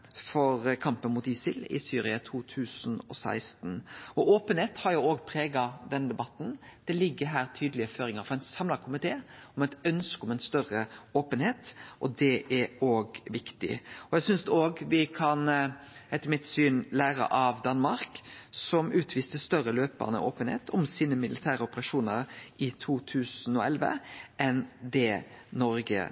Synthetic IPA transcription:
fɔɾkʰɑmpənmʊt̪ɪsɪlɪ̰syːɾɪɑt̪ʰuːt̪ʰʉːsn̩ɔ̰sæ̰ɪst̪n̩ɔʔoːpənheːt̪hɑɾjʊoːɡpʰɾeːɡɑd̪ɛnd̪ɛbɑt̪ːn̩d̪̥ɛlɪɡːəɦæːɾt̪ʰyːd̪əlɪəføːɾɪŋəɾfɔɾɛɪnsɑmlɑkʰʊmɪt̪ʰeːɔmɛt̪œnskɔmɛnst̪œrəoːpənheːt̪ʔɔd̪ɛʔæoːɡʋɪkt̪ɪ̰ɔɛsʏnsd̪ɛoːɡʋɪkʰɑnɛt̪mɪt̪ːsyːnlæːɾə̰ʔɑʋd̪ɑnmɑɾksɔmʉːt̪ʰʋiːst̪əst̪œɾəløːpə̰ʁnə̰ʔoːpənhḛːt̪ʰɔmsiːnəmɪlʔɪt̪ʰæːɾəʊpəʁɑʂuːnəɾɪt̪ʰuːt̪ʰʉːsn̩ɔ̰ɛlʋə̰ʔɛnd̪ɛnɔɾɡə̰

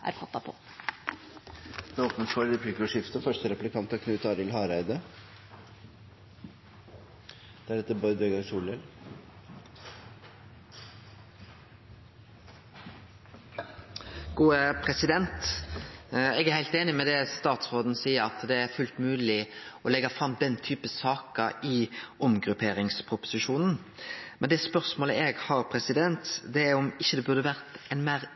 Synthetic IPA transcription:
ʔæ̰ɾfɑt̪ːɑpʰɔ̰ | d̪̥ɛnoːpnənsfɔɾɾɛpliːkʊʂɪft̪əfœʂtəɾɛplɪkʰɑnt̪ɔkʰnʉːt̪ɑːɾɪlhɑːɾæɪd̪ə | d̪̥ɛæɖɛt̪ːəbɔʏd̪øɡəɾsuːlɛl | ɡ̥uːəpʰʁɛsɪd̪ɛnt̪ | ɛɡæɾhæɪlt̪eːnɪmɛd̪ɛst̪ɑːt̪sʁoːd̪n̩siːəɾɑt̪d̪ɛæʁfʉlt̪mʉːlɪɔlɛɡɑfʁɑmd̪ɛnt̪ʰyːpəsɑːkəɪɔmɡʁʉpʰeːɾɪŋspʰʁʊpʊ̥sɪʃuːnn̩ | mɛnd̪ɛspœʁsmoːləʔɛɡhɑʁpʰʁɛsɪd̪ɛnt̪d̪ɛæʁɔmɪçːəd̪ɛbʉʁd̪əʋæʁt̪ɛnmæʁ

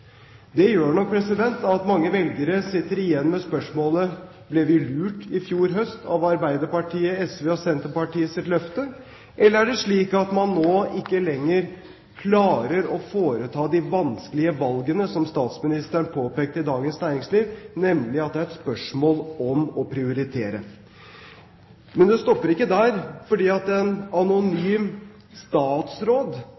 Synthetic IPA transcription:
d̪ɛjøːɳɔk̚pʰɾɛsɪd̪ɛnt̪ɑt̪mɑŋːəʋɛlɡəɾəsɪt̪ːəɾɪjɛnːmɛspœʂmoːlə | blɛʋɪlʉːʈɪfjuːɾɦœst̪ʰɑ̰ʋɑɾbæɪd̪əɾpɑʈʰiːəɛsʋeːɔsɛnt̪əpɑʈiːəsɪt̪lœft̪ə | ʔɛlːəɾæɖɛʂɭiːkɑt̪mɑnːoːɪkːəlɛŋːəɾ | kʰlɑːɾəɾɔfoːɾət̪ʰɑːd̪ɪʋɑnskəlɪəʋɑlɡənəsɔmst̪ɑːt̪smɪnɪst̪æɳpʰoːpeːk̚t̪əɪd̪ɑːɡənsnæɪɾɪŋsliːʋnɛmlɪɑt̪̚d̪ɛæɾɛt̪spœʂmoːlɔmɔpʰɾɪʊɾɪt̪ʰeːɾə | mɛnd̪ɛst̪ɔpːəɾɪkːəd̪æɾfɔɖiːɑt̪ɛnɑnʊnyːm | st̪ɑːt̪sɾoːd̪

